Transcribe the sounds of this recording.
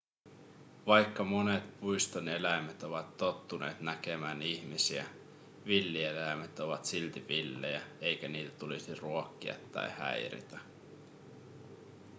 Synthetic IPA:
ʋɑjkːɑmo̞ne̞t̪pujst̪one̞læjmæt̪o̞ʋɑt̪ːo̞t̪ːune̞̰ːt̪næk̟e̞mæːniçmisiæ̰ | ʋilːielæjmæt̪o̞ʋɑt̪silt̪iʋilːejæe̞jk̟æniːt̪æ̥t̪ulisiruokːiɑ̰t̪ːɑ̰jhæ̰jɾḭt̪æ

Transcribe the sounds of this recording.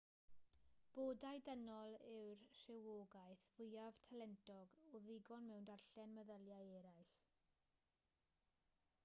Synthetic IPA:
b̥oːdajdənɔlˠɪwrr̥ɪwoːɡaɨθvʊjavtʰalɛntʰɔɡɔðɪɡɔnmɛwndarɬɛnməðəlˠjajɛɾajɬ

